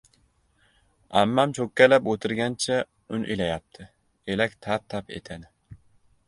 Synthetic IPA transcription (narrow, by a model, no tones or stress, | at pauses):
a̰mːamt͡ʃʰokʲːalapot̪ʰɪɾɡʲant͡ʃʰa | ʊnɪ̰ʔilajap̚t̪ʰɪ | elakʲt̪ʰat̪ʰːapḛt̪ʰanɪ